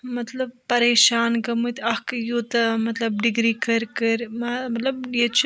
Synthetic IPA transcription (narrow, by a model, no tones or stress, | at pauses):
mɐt̪lɐb̚pɐɾeːʃaːnɡɐmɨt̪ɐkjut̪ɐmɐt̪lɐb̚ɖiɡɾiːkɐɾkɐɾmɐmɐt̪lɐbjet͡ʃʰ